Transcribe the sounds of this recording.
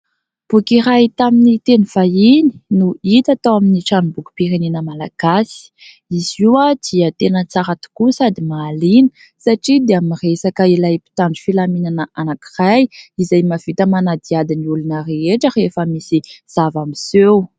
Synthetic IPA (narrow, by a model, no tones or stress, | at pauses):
b̥ukiɾajt̪aminit̪eniv̥aini̥nuit̪at̪awaminiʈ͡ʂanubuku̥piɾenenəmalaɡ̥asi̥ | iziwad̪̥iət̪enət͡saɾat̪u̥kusad̪imaːlinə̥ | saʈ͡ʂid̪eamiresakəilajpi̥t̪aɳɖ͡ʐifilaminanəʔanaki̥rajizajmav̥it̪əmanad̪iad̪iniulunəreeʈ͡ʂərefəmisiz̥avamisew